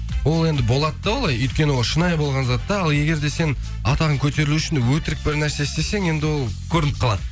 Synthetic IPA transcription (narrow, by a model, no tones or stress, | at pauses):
wo̞lˠe̞nd̪ɪbo̞lˠɑt̪d̪ɑwo̞lˠɑjɵjt̪̚kʲe̞nɪwo̞lˠʃənɑjbo̞lˠʁɑnzɑt̪ːɑɑlˠje̞ɡʲe̞ɾd̪e̞se̞n | ɑt̪ɑʁəŋkʲʰɵt̪e̞ɾɪluɪʃɪnwɵt̪ɪɾɪk̚bɪɾnæɾse̞ɪst̪e̞se̞ŋe̞nd̪ɪwo̞lˠkʲʰɵɾɪnɪt̪qʰɑlˠɑd̪ə